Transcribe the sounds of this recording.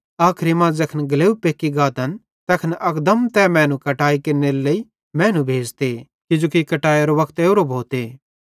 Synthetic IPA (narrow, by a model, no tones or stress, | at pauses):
aːkʰɾimãd͡zɐkʰənɡɐleːupeːkːiɡaːt̪ɐn | t̪ɛkʰnɐkd̪əmt̪ɛmɛ̃ːnũkɐʈaːikeɾneɾlɐi | mɛ̃ːnũbʱeːd͡ʒt̪e | kɪd͡ʒoːkikɐʈaːjeɾoʋɐkʰt̪eːʊɾobʱoːt̪eː